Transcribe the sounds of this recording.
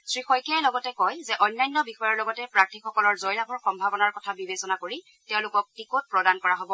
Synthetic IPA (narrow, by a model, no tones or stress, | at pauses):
sɹixɔjkiɛlɔɡɔtɛkɔjzɛʔɔjnːajnːɔbixɔjɔɹlɔɡɔtɛpɹaktʰikʰxʰɔkɔlɔɹzɔjlaɡʱɔɹxɔmbʱabɔnaɹkɔtʰabibesɔnakoɹi | tɛʊ̃lʊkɔk̚tikot̚pɹɔdankɔɹaɦobɔ